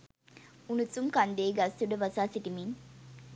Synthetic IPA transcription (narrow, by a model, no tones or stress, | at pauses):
unut͡sumkand̪eːɡɐsuɖəʋɐsaːsiʈimiŋ